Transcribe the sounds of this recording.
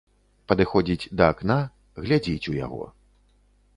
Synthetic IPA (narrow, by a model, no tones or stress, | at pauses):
pɐd̪ɨxɔd͡zʲit͡sʲd̪ɐːkna | ɣlʲad͡zʲit͡sʲuja̰ɣɔ̰